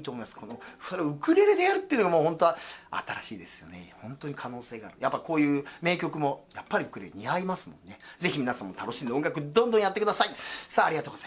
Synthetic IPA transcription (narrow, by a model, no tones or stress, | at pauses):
t̪oːmojmaskʰo̞no̞soɾeoɯ̟kɯ̟ɾe̞ɾed̪e̞aɾɯ̟t̪ːeɯ̟noɡamoːhõ̞nt̪o̞aa̰t̪aɾaɕiːd̪e̞sɨjo̞̰nehõ̞nt̪o̞ɲ̟ikʰano̞ːse̞ːɡaːɾɯ̟japːako̞ːjɯ̟ːme̞ːkʲo̞kɯ̟mo̞japːaɾʲiɯ̟kɯɾe̞ɾeɲiaimasɨmõ̞̰nːe̞ze̞çimʲinasãmːot̪ʰano̞ɕĩneoŋɡakɯ̟d̪õnd̪õjat̪ːekɯd̪asaisaːɾiɡat̪oːɡoza